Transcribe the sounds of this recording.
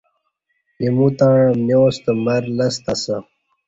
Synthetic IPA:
imũt̪ãːɻɐ̃mnjoːst̪əmɐɾlɐst̪ɐsə

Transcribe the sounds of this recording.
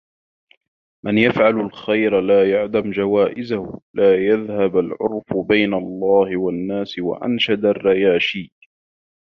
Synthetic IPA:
mʔanjafʕalalxajɾalaːjaʕd̪amd͡ʒawaːʔɪzahʊlaːjaðhabalʕʊ̰ɾfʊbajnalˤːɑːhɪwanːaːsɪwa̰ʔa̰nʃad̪arˤːɑjaːʃiː

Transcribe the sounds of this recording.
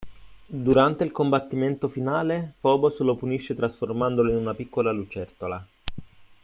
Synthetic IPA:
d̪uɾant̪eilkombat̪ːiment̪ofinaːlefɔːboslopuniʃːet̪ɾasformand̪oloinunapikːolalut͡ʃɛrt̪ola

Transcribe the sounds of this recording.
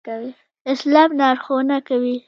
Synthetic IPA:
wi | ɪslɑmnɑɾxonakawi

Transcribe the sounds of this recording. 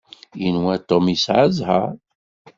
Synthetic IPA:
jənwæt̪ːomisʕəzhæ̰ɾ

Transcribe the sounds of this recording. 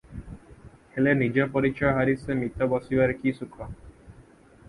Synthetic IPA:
helenid͡ʒɔpɔɾit͡ʃɔjɦaɾisemit̪ɔbɔsibaɾkisukʰɔ

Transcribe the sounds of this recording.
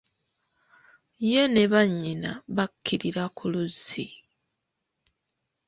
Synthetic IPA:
je̞ne̞βaɲːina̰βakʰːiɾiɾakʰuluzːi

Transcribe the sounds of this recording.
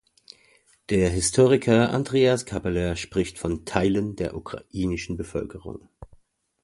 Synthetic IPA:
d̥eːɐɦɪstʰoːʁɪkʰɐʔa̰ndʁeːaskʰabalɛʃpʁ̥ɪçtfɔntʰaɪləndeːɐʔukʁ̥a̰ʔiːnɪʃn̩bəfœ̰lkəʁʊ̰ŋ

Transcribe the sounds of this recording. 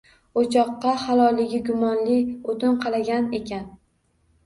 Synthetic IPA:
ot͡ʃʰɒqːɑhalˠɒjlɪɡʲɪɡʲʊmɒnlɪot̪ɪnqʰɑlˠaɡʲane̞kʲʰan

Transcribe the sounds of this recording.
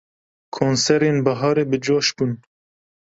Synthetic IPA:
kʰoːnsɛɾeːnbɐɦɑːɾeːbɨd͡ʒoːʃbun

